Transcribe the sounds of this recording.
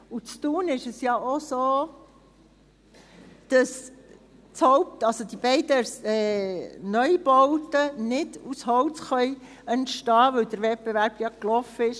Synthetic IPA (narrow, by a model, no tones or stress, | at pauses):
ut͡st̪uːnɪʃəsjɑʔosoː | d̪̥ɑs | t͡shɔwp̚tɑlsod̥̪ib̥ɛɪdəsɛːnœʏb̥ɔwt̪ənɪd̥ushɔwt͡sχœj | əntʃtɑːʋœwd̥̪əɾʋɛt̚b̥eʋæɾb̥jɑklɔfəɪʃ